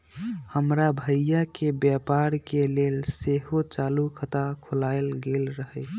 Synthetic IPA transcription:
həmɾabʱəjakebjapaɾkelelseɦot͡ʃalukʰət̪akʰolaelɡelɾəɦəɪ

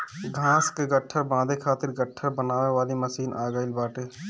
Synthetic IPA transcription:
ɡʱãːskeɡəʈʰːəɾbãːd̪ekʰaːt̪ɪɾɡəʈʰːəɾbənaːʋeʋaːliməsiːnʔaːɡəːɪlbaːʈeː

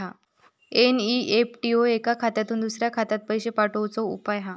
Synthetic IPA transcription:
a | eniepʈioekakʰat̪at̪uːnd̪usɾjakʰat̪at̪̚pəjɕepaʈəwt͡soṵpajɦa

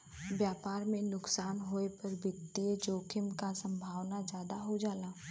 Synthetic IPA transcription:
ʋjaːpaːɾmẽnʊksaːnɦoːepɐɾbʱɪt̪ːied͡ʒoːkʰɪmkasə̃mbʱaːʋnad͡ʒjaːd̪aɦod͡ʒaːlaː

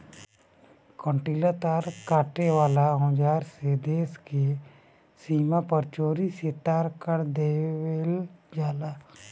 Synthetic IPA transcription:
kɔ̃ɳʈiːlat̪aːɾkaːʈeʋaːlaɦõːd͡ʒaːɾsed̪eːske | siːmapəɾt͡ʃoːɾiseːt̪aːɾkəɾd̪eːweld͡ʒaːla

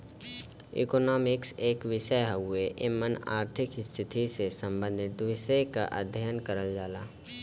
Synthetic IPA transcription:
ɪ̰kɔːnɔːmɪkseːkʋɪʃəjɦʊeʔɪməna̰ːɾt̪ʰɪkst̪ʰɪt̪ʰisesə̃mbə̃nd̪ʱɪt̪ʋɪʃəjka̰ʔa̰d̪ʱjaənkəɾəld͡ʒaːlaː

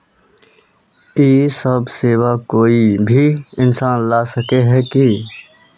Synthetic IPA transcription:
eːsəbseːwakoːibʱiɪnsaːnlaːsəkeɦɛːki

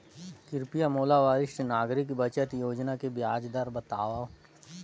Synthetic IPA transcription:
kɪɾpijamoːlaʋaːɾɪʃʈnaːɡɾɪkbət͡ʃət̪joːd͡ʒnakebjaːd͡ʒd̪aɾbɐt̪aːʋa

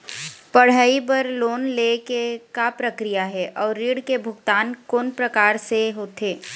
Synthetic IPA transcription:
pɐɽ̤aːipɐɾloːnlekekapɾəkɾijaɦɛʔɔːɾːiːɽkebʱʊɡt̪aːnkoːnpɾəkaːɾseɦoːt̪ʰeː

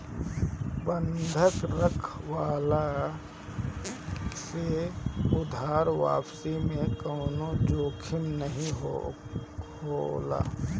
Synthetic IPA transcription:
bə̃nd̪ʱəkɾəkʰwaːla | seʊd̪ʱaːɾʋa̰ːpsimẽkəːnod͡ʒoːkʰɪnːəɦĩɦo | hola̰ː

